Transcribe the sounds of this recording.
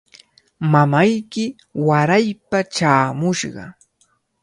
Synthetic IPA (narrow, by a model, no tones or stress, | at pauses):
mamajkɪ | waɾajpaʈ͡ʂaːmʊʃɢɑ̰